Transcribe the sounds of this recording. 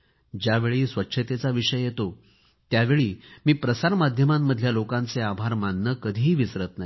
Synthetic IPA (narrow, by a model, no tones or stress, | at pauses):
d͡ʑjaʋeɭiːsʋəkːɕʰət̪et͡saʋiʂəjjet̪o | t̪jaʋeɭiːmiːpɾəsaɾmad̪ʱjəmamːəd̪ʱjalokãnt͡seabʱaɾmanːəkəd̪ʱiɦiːʋisɾət̪nai